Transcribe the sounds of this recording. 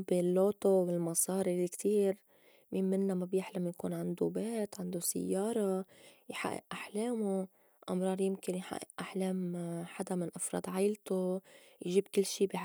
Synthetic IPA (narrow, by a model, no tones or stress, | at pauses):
bɪlːoːt̪owɪlmɑsˤɑːɾilkt̪iːɾ | miːnmɪnːamabjɪħlamjakṵːnʕɪnd̪ubeːt̪ʕɪnd̪usɪ̰jːɑːɾˤɑjħa̰ʔːɪ̰ʔʔaħleːmo | ʔɑmɾˤɑːɾˤjɪmkɪnjħa̰ʔːɪ̰ʔʔaħleːmħad̪amɪnʔɑfɾˤɑ̰ːd̪ˤʕajlt̪ojʒiːbkɪlːʃiːbi